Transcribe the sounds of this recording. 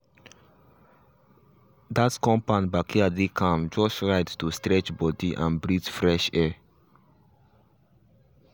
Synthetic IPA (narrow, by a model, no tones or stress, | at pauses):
d̪atkɔ̃mpãnbakʰiadekʰãmd͡ʒɔsɹaɪttustɾɹɛt͡ʃbɔdiʔã̰nbɹitfɾɛʃɛ